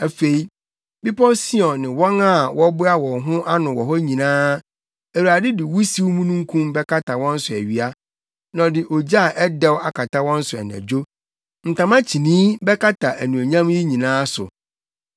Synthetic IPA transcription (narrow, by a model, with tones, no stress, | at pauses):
æ˨fe˨i˦ | bi˦pʰɔ˦si˦ɔ̃˨nɪ̃˨wɔ̃˦ŋa˦˨wʔɔ˦bʊ˦a˦wɔ̃˨ŋɦʊ̃˦ʔa˦nʊ̃˨wɔ˨ɦɔ˦ɲĩ˨nãː˦ | æ˨wu˨ɾa˨dɪ˦dɪ˨wu˦si˦wmũ˦nũ˦ŋ̩˦kʰũ˦mbɛ˦kʰa˦tʰa˨wɔ̃˦n̩˦sʊ˨æ˨ɥi˨a˦ | nã˨dɪ˨ʔo˨d͡ʑa˦˨ʔɛ˦dɛ˦wa˦kʰa˨tʰa˦wɔ̃˦n̩˦sʊ˨ɛ̰˨næ̰̃˨d͡ʑo˦ | n̩˨tʰã˨mã˦t͡ɕʰi˨nĩː˦bɛ˦ka˦tʰa˨ʔæ˨nũ˨o˨ɲã˦m˦ji˦ɲĩ˨nãː˦sʊ̰˨